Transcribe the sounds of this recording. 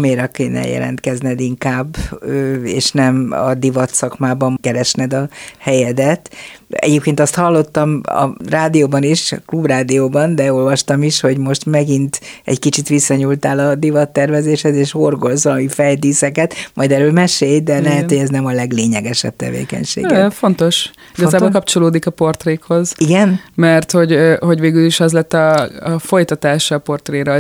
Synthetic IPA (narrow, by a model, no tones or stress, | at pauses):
meːɾɛkeːnɛ̰jɛ̰lʔɛ̰nt̪kɛznɛd̪iŋkaːbːøḛːʃnɛmɒ̰d̪ivɒt̪sɒkmaːbɒmkɛɾɛʃnɛd̪ɒhɛjɛd̪ɛt̪ɛ̰ɟeːp̚keːnt̪ɒst̪hɒlːo̞t̪ːɒmɒ̰raːd̪ijoːbɒniʃklubraːd̪ijoːbɒnd̪ɛo̞lvɒʃt̪ɒmiʃho̞ɟmo̞ʃt̪mɛɡint̪ɛ̰ckit͡ʃit̪ʋisːɒɲult̪aːlɒd̪ivɒt̪ːɛrvɛzeːʃhɛzeːʃhorɡolzɒlɒmifɛjd̪iːsɛkɛt̪mɒjd̪ɛɾøːlmɛʃeːjd̪ɛlɛɦɛt̪ho̞ɛznɛmɒlɛɡleːɲɛɡɛʃɛ̰b̚t̪ɛ̰vḛːkɛ̰ɲʃḛːɡfo̞nt̪o̞ʃ | iɡɒzaːbolkɒp̚t͡ʃo̞loːd̪ikɒpo̞rt̪reːkho̞ziɡɛnmɛrt̪ho̞ɟho̞ɟʋeːɡyliʃɛzlɛt̪ːɒːfo̞jt̪ɒt̪aːʃɒːpo̞rt̪reːɾɛ